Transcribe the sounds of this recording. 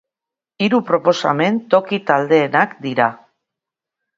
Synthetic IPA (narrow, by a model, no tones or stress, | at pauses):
iɾupɾo̞po̞sa̰me̞nt̪o̞kit̪ald̪e̞ːnakd̪iɾa